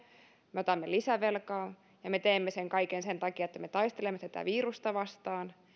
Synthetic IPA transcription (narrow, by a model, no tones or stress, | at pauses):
meot̪ɑmːelisæʋelkɑː | jɑmet̪eːmːeseŋkɑikensent̪ɑkiɑet̪ːæmet̪ɑist̪elemːet̪æt̪æ̰ʋiːrust̪ɑʋɑst̪ɑːn